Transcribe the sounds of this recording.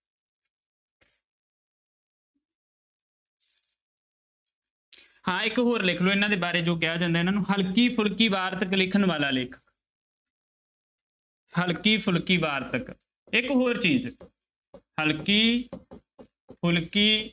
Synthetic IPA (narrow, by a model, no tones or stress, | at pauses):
hãːɪkɦoːɾlɪkʰloːɪnãːd̪eːbaːɾeːd͡ʒoːkɪjaːd͡ʒãːnd̪aːɪnãːnũːɦəlkiːpʰʊlkiːbaːɾt̪əklɪkʰənʋaːlaːlɪːkʰə̥k | həlkiːpʰʊlkiːʋaːɾt̪ək | ɪkɦoːɾt͡ʃiːd͡ʒ | həlkiː | pʰʊlkiː